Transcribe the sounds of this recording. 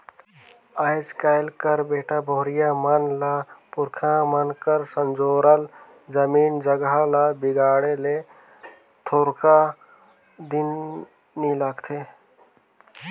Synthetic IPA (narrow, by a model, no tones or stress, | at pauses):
əɪt͡ʃkaːɪlkəɾbeːʈaboɦɾɪjamənlapʊɾkʰãmənkəɾsənd͡ʒoːɾəl | d͡ʒəmiːnd͡ʒəɡalabɪɡaːɽele | t̪ʰoːɾkʰa | d̪ɪnː | ilaɡt̪ʰe